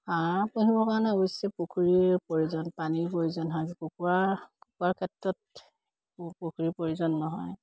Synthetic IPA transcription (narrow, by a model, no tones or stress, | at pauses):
apoɦibɔkanaɡojsɛpokʰuɹiɹpoɹizɔnpaniɹpoɹizɔnɦɔkokuakokuaɹkʰɛtɹɔt̚ | pokʰuɹipoɹizɔnːɔɦɔj